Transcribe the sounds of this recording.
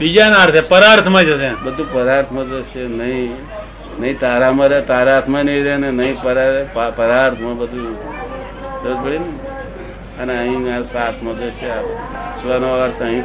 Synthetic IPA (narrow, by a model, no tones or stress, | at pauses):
bid͡ʒanaɾt̪ʰepəɾaɾt̪ʰmãd͡ʒəsebəd̪ʱupəɾaɾt̪ʰmãd͡ʒəʃenəĩ | nəɦĩt̪aɾamãɾet̪aɾaɾt̪ʰmanəĩɾenenəɦĩpəɾapapəɾaɾt̪ʰmãbəd̪ʱu | t̪ət̪bəɽinə | əneəɦĩasaɾt̪ʰmãd͡ʒ̪əʃea | suʋanəʋʋaɾsʰəɦĩ